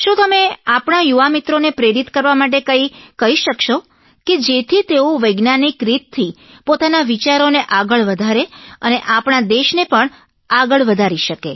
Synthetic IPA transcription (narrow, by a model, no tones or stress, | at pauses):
ʃũt̪əmeapɳajuʋamit̪ɾonepɾeɾit̪kəɾʋamaʈ̬ekəikəɦiʃəkʃo | ked͡ʒet̪ʰit̪eoʋəjɡnanikɾit̪ʰːi | pot̪anaʋit͡ʃaɾoneʔaɡəɭʋəd̪ʱaɾeəneʔapɳad̪eʃnepəɳ | aɡəɭʋəd̪ʱaɾiʃəke